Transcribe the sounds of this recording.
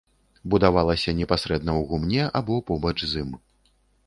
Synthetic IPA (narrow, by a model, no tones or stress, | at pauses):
bud̪avalˠɐsʲɐnʲɛpasɾɛd̪̚nɐwɣumnʲɛʔabɔpɔbɐt͡ʂzɨm